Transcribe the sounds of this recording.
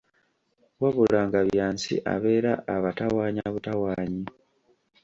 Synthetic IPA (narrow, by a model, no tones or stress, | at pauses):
waβulaːŋɡaβjjaːnsḭʔa̰βe̞ːɾaːβatawaːɲaβutawaːɲi